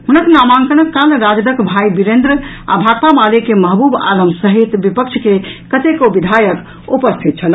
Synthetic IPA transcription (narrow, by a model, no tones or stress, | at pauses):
ɦunəknamãŋkəɽ̃əkːalɾad͡ʒd̪əkbʱajbiɾend̪ɾəa̰bʱaɡ̚p̪amalekemɐɦbuba̰ləmbsəɦit̪bipəkt͡ʃʰkekət̪ekobid̪ʱajək | upəst̪ʰit̪̚t͡ʃʰəl